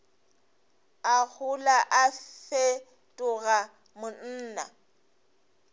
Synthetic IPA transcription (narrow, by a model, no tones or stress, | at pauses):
ak͡xʰʊlaʔafe | tʼʊɣa | mʊn̩ːna̰